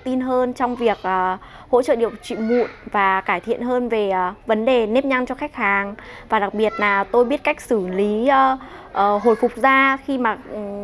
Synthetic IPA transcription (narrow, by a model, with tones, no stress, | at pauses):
t̪i˧nɦəː˧nt͡ɕɔ˧wŋ͡mvi˨˩ək̚ʔəː˨˩ | ho̰˧˥t͡ɕə̰˧˨ɗi˧˨əw̚t͡ɕwḭ˧˨mṵ˧˨ənvaː˨˩kaː˧˩jt̪ʰḭ˧˨ənɦəː˧nve˨˩˨və˨˦nɗe˨˩ne˦˥p̚ɲa˧ŋt͡ɕɔ˧xa˦˥jk̚haː˨˩ŋvaː˨˩ɗa˨˩k̚ɓi˨˩ət̚laː˨˩t̪o˧jɓi˦˥ət̚ka˦˥jk̟̚sɨ˧˩li˨˦˧ | ʔəː˨˩ɦo̰˨˩jfʊ˨˩k͡p̚zaː˧xi˧maː˨˩˨